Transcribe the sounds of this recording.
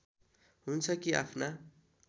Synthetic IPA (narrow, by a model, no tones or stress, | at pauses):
ɦunt͡sʰʌkia̰pʰna